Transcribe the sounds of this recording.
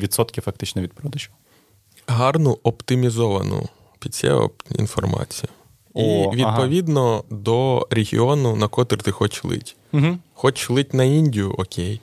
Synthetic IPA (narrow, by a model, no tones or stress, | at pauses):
ʋʲit̪sɔt̪kʲɪfɐk̚t̪ɪt͡ʃnɛʋʲid̪̚pɾɔd̪ɐʃkʊ̥ | ɦɑrnʊɔpt̪ɪmʲizɔʋɐnʊ̰ | pʲid̪ʲt͡sʲɛ̰ɔ̰ḭnfɔrmɑ̰t͡sʲijʊ | ʋʲid̪pɔʋʲid̪nɔd̪ɔɾʲeɦʲḭɔnʊnɐkɔt̪ɪrt̪ɪxɔt͡ʃlˠɪ̰t̩ʲ | ɦ̩xɔt͡ʃlˠɪtʲnɐinʲdʲijʊʔɔkʲʰej